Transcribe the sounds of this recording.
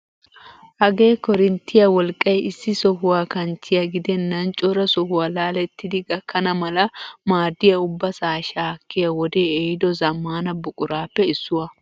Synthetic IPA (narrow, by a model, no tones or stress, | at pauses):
hɐɡe̞ːkɔɾɪnt̪ʰːɪjɐwɔlkʼːɐjɪsːɪsɔhʊwaːkɐnt͡ʃːɪjɐɡɪd̪ɛnːɐnt͡ʃʼɔɾɐsɔhʊwaːlaːlɛt̪ːɪd̪ɪɡɐkːɐnɐmɐlɐmaːd̪ːɪjɐʊbːɐsaːʃaːkːɪjɐwɔd̪eːejɪd̪ɔzɐmːaːnɐbʊkʼʊɾaːpːɛɪsːʊwɐ